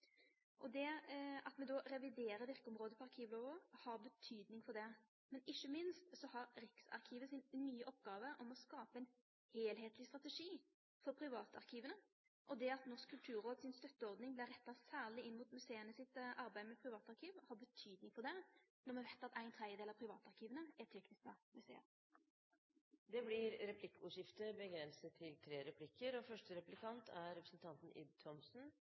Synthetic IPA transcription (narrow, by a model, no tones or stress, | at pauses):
ʔɔd̪ɛɑt̪mɛd̪ɔɾɛʋɪd̪eːɾəɾʋɪɾkəɔmɾoːd̪əpʰɔɑɾkʰiːʋloːʋəhɑɾbət̪ʰyːd̪nɪŋfɔd̪ɛ | mɛnɪçːəmɪnst̪sɔhɑɾɾɪksɑ̰ɾkʰiːʋəsɪnnːyːəʔɔpːɡɑːʋəʔɔmɔskɑːpəɛɪn | heːlɦeːt̪lɪst̪ʁɑt̪ɛʂiː | fɔɾpʰɾɪʋɑːt̪ɑ̰ɾkʰiːʋənə | ʔɔd̪ɛɑt̪nɔʁʂkʰːʉlt̪ʰʉːɾoːd̪sɪnst̪œt̪ːəɔɾd̪nɪŋblɪɾɛt̪ːɑsæːʁlɪɪnːmuːt̪mʉseːənəsɪt̪ʔɑɾbæɪmɛpʰɾɪʋɑːt̪ɑɾkʰiːʋhɑbət̪ʰyːd̪nɪŋfɔʁd̪ɛnɔmɛʋæt̪ːɑt̪æɪnt̪ʰɾɛd̪jəd̪eːlɑpʰɾɪʋɑːt̪ɑʁkʰiːʋənəɛt̪ʰɛknɪskɑmʉsḛːə̰ɾ | d̪ɛblɪɾɾɛpʰlɪkːʊːʂɪft̪əbəɡɾɛnsət̪ʰːɪlt̪ʰɾeːɾɛpʰlɪkːəɾɔfœʂʈəɾɛplɪkʰɑnt̪ʰæɾɾɛpɾəsn̩t̪ʰɑnt̪n̩ɪ̰d̪̚t̪ʰɔmsn̩